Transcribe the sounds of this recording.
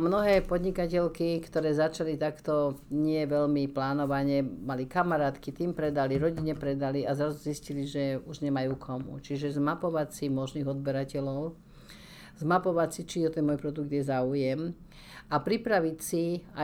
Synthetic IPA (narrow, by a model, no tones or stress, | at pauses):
mnɔɦɛːpɔd̪ɲikacɛʎkikt̪ɔɾɛːzat͡ʃalit̪akt̪ɔɲɪɛʋɛʎmiplaːnɔʋaɲɛmalikamaɾaːt̪kit̪iːmpɾɛd̪aliɾɔɟiɲɛpɾɛd̪aliazɾazuzisciliʒɛuʒɲɛmajuːkʰɔmṵt͡ʃiʒɛzmapɔʋacsimɔʒniːɣɔd̪bɛɾacɛlɔʊ | zmapɔʋacsit͡ʃiʒɛt̪ɛnmɔjpɾɔd̪uɡ̚d̪jɛzaːujɛm | apɾipɾaʋicsia